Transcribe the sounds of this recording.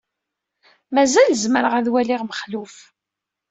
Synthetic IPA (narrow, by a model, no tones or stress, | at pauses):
mæzælzməɾəʁæðwæliʁməχluf